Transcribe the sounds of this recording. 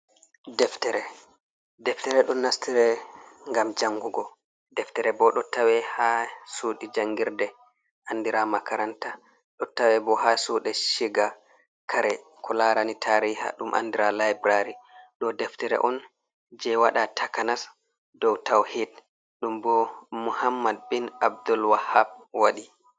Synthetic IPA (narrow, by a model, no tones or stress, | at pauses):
dɛftɛɾɛ | dɛftɛɾɛɗɔnːastʰiɾɛŋɡamd͡ʒaŋɡuɡɔ | dɛftɛɾɛbɔɗɔtawɛhasuɗid͡ʒaŋɡiɾdɛ | ʔandiɾamakaɾanta | ɗɔtawɛbɔhasuɗɛʃiɡa | kʰaɾɛ | kɔlaɾanitʰaːɾiha̰ɗumʔa̰ndiɾalajbɾaɾiɗɔdɛftɛɾɛ̰ʔɔn | d͡ʒɛwaɗatʰakanas | dɔwtawhiːd̚ | ɗumbɔmuhamːad̚binab̚dulwahab̚waɗi